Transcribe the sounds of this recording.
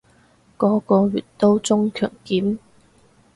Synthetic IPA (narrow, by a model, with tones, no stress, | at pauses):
kɔː˨˥kɔː˧ɥy̰ː˨˩t̚t̪o˥wt͡sʊ˥ŋkʰœ̰ː˨˩ŋkiː˨˥m